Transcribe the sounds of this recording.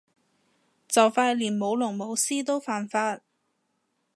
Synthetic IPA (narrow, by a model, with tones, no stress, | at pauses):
t͡sɐ˨wfaː˧˥t̚liː˨˩nmo˨˧wlʊ˨˩ŋmo˨˧wsiː˥t̪o˥wfaː˨nfaː˧t̚